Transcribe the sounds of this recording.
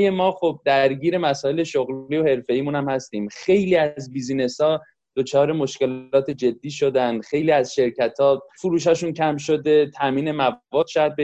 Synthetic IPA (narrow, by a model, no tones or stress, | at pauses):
jemɒːxob̚d̪æɾɟiːɾe̞mæsɒːe̞le̞ʃoɣliːo̞he̞ɾfe̞iːmuːnhæmhæst̪iːmxe̞jliːæzbiːzine̞sɒː | d̪̥ot͡ʃʰɒːɾe̞mo̞ʃce̞lɒːt̪ʰe̞d͡ʒe̞d̪ːiːʃod̪ænd̪xe̞jliːæzʃe̞ɾcʰæt̪ʰɒːt̪̚fuɾuːʃɒːʃuːncʰæmʃod̪e̞t̪ʰæmiːne̞mævɒːd̪ʃæd̪̚be